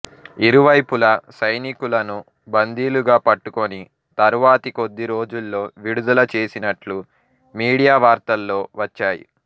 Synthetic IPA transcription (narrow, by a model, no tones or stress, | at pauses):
iɾuʋɐjpulɐsɐjnikulɐnu | bɐnd̪iːluɡaːpɐʈːukoni | t̪ɐɾuʋaːt̪iko̞d̪ːiɾo̞ːd͡ʒulːo̞ːʋiɽud̪ɐlɐt͡ʃe̞ːsinɐʈlu | miːɽijaːʋaːɾt̪ɐlːo̞ːʋɐt͡ʃːaːjḭ